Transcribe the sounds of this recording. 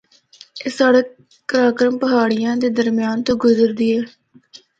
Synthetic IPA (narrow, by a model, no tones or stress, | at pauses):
eːsaːɽeː | kəɾaːkɾəmpəɦaːɽɪjãːd̪eːd̪əɾmɪjaːnt̪õːɡʊzəɾd̪iːɛː